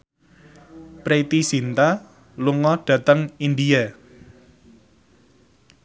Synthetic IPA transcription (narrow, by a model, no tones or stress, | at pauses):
pɾet̪isint̪a | luŋɔɖ̥ä̤t̪əŋindija